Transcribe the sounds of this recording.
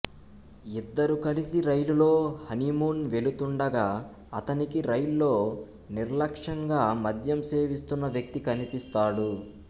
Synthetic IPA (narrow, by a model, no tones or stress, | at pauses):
id̪ːɐɾukɐlisiɾɐjlulo̞ːhɐnimuːnʋe̞lut̪uɳɖɐɡaː | ɐt̪ɐnikiɾɐjllo̞ː | niɾlɐkʂɐŋɡaːmɐd̪ʱjɐmseːʋist̪unːɐʋjɐk̚t̪ikɐnipist̪aːɽu